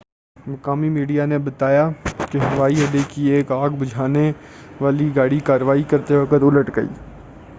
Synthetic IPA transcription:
mɐkaːmimiːɖijanebɐt̪aːjakeɦɐʋaːiɦɐd̪ekieːkaːɡbʊd͡ʒʱaːneʋaːliɡaːɽikaːɾʋaːikɐɾt̪eʋɐkət̪ʊləʈɡəḭː

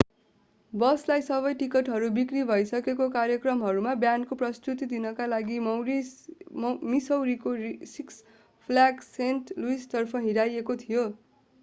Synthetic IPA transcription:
bʌslajsʌβʌjʈikʌʈɦʌɾubikribʱʌjsʌkekokaɾjʌkrʌmɦʌɾumabjankoprʌst̪ut̪id̪inʌkalaɡimwɾis | misʌwɾikosiks | pʰlaɡsenʈluist̪ʌrpʰʌɦiɾajekot̪ʰijo

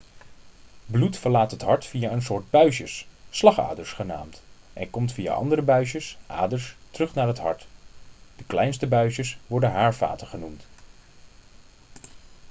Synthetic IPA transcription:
blutfəɹlaːtɦətɦɑɹtfijaːəns̬ʊːɹd̚bœɥʃəsːlɑχa̰ːdəɹsχəna̰ːmtʔɛ̰nkɔmtfia̰ːʔɑ̰ndəɾəbœɥʃəsʔa̰ːdəɹstərɵχnaːɹɦətɦɑ̰ɹt | d̥əklɛjnstəbœɥʃəsʋɔɹdəɦaːɹva̰ːtəχənumt

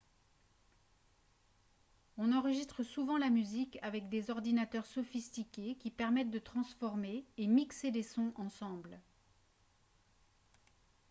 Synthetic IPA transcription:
ɔ̃nɑ̃ʁəʒist̪χəsuvɑ̃lamyzikavɛkd̪ezɔʁd̪inat̪œʁsɔfist̪ikʲekʲipɛʁmɛt̪̚d̪ət̪χɑ̃sfɔʁmeːmiksed̪esɔ̃ʔɑ̃sɑ̃bl

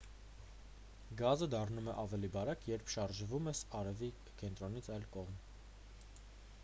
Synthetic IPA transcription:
ɡɑzəd̪ɑrnumɛʔɑvɛlibɑɾɑkʰjɛɾpʰʃɑɾʒvumɛsɑɾɛvi | kɛnt̪ɾɔnit͡sʰɑjlkɔʁm

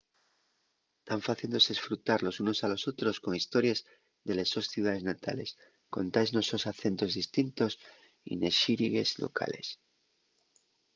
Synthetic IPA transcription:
t̪aɱfaθild̪oze̞sfɾut̪aɾlo̞suno̞salo̞so̞t̪ɾo̞sko̞ŋist̪o̞ɾjez | ðe̞lesosθjuð̞aðe̞znat̪a̰le̞̰s | ko̞̰nt̪ajznoso̞saθe̞nt̪o̞zðist̪int̪os | ḭneʃiɾiɣe̞slo̰kʰa̰le̞̰s

